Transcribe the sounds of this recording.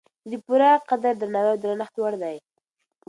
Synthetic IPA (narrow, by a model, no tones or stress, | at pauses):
zipuɾaqad̪aɾd̪əɾnawawd̪əɾanəxt̪waɽd̪aj